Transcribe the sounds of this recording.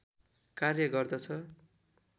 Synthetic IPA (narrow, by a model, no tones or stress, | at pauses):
karjʌɡʌrd̪ʌt͡sʰʌ